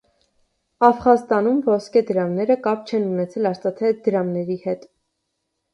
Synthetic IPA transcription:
ɑfχɑst̪ɑnumvɔskɛd̪əɾɑmnɛɾəkɑp̚t͡ʃʰɛnunɛt͡sʰɛlɑst̪ɑt̪ʰɛd̪əɾɑmnɛɾihɛt̪

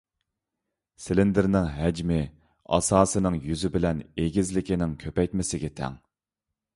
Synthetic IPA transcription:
sɪlɪnd̪ɪɾnɪŋɦæd͡ʒmɪ | ɑ̰sɑːsɨnɨŋjyzɪbɪlɛneɡʲizlɪkʲʰinɪŋkʲʰøpɛjt̪mɪsɪɡʲɛt̪ʰɛ̰ŋ

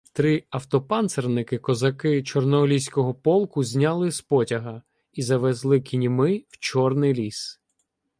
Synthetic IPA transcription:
t̪ɾɪɐwt̪ɔpɑnt̪sernɪkɪkɔzɐkɪt͡ʃɔrnɔlʲisʲkɔɦɔpɔlˠkʊzʲnʲalˠɪspɔtʲɐɦɐ | izɐʋɛzlˠɪkʲinʲimɪwt͡ʃɔrnɪjlʲis

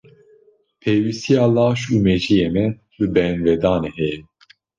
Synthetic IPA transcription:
pʰeːwist̪ijɑːlɑːʃuːmeʒijeːmɛ | lɨbɛnvɛd̪ɑːneːhɛjɛ

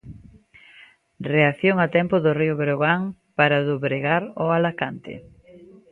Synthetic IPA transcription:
reaθjoŋat̪ɛmpʊðʊriʊβɾoɣaŋpaɾaðoβɾeɣaɾoalakant̪ɪ̰

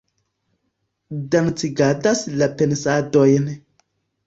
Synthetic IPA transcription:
dant͡siɡadaslapensadojn

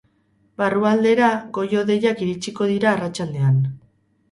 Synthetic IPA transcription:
baruald̪e̞ɾaɡo̞jo̞ðe̞jakiɾit͡ʃiko̞ðiɾaːrat͡ʃald̪e̞an

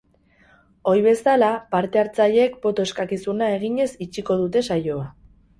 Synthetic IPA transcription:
o̞jβe̞salapaɾt̪e̞aɾt͡saʎe̞kpo̞t̪o̞eskakisunae̞ɣiɲe̞sit͡ʃiko̞ð̞ut̪e̞sajo̞a

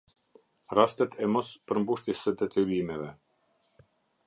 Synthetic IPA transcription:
rast̪ɛt̪ʰɛmɔspəɾmbuʃt̪isəd̪ɛt̪ilimɛvɛ

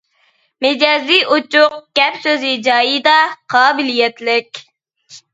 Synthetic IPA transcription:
med͡ʒɑːzijʔot͡ʃʊq̚ɡ̥ʲɛpsøzɪd͡ʒɑːjid̪ɑqʰɑːbɪlijɛt̪lɪkʲ

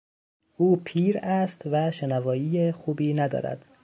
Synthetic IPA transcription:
ʔuːpʰiːɾæst̪væʃenævɒːjiːjexuːbiːnæd̪ɒ̰ːɾæ̰d̪̥

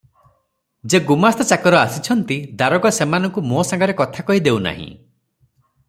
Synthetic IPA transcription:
d͡ʒeɡumast̪ɔt͡ʃakɔɾɔasit͡ʃʰɔnt̪id̪aɾɔɡɔsemanɔŋkumosaŋɡɔɾekɔt̪ʰakɔɦid̪ewna̰ɦḭ̃

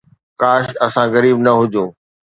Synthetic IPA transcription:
kaːʃɐsãɣɐɾiːbnɐɦʊd͡ʑõː

